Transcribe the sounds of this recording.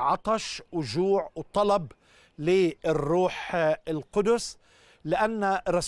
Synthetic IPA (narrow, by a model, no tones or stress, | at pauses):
ʕɑt̪ˤɑʃwʒuːʕwt̪ˤɑlɑb | lirːuːħɪlqʊd̪ʊs | lɪʔanːaɾˤɑs